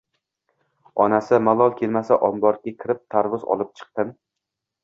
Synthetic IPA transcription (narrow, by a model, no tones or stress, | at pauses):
ɒnasɪmalˠɒlˠkʲʰelmasaʔɒnbɒɾɡʲakʲʰɪɾɪp̚t̪ʰaɾvʊzɒ̰lˠɪp̚t͡ʃʰɨ̥q̚t̪ɨn